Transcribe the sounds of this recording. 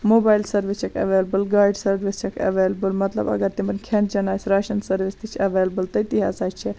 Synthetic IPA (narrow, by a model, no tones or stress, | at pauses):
mobaːjlsɐɾʋist͡ʃʰekʰɐ̰ʋelbəlɡaːjɖsɐɾʋist͡ʃʰekʰɐ̰ʋelbəlmɐt̪lə̰bɐ̰ɡɐɾt̪imɐnʲkʰend͡ʒɐnaːjsʲɾaːʃɐnsɐɾʋist̪it͡ʃʰɐʋelbəlt̪ɐit̪iɦa̰ːzaːjt͡ʃʰe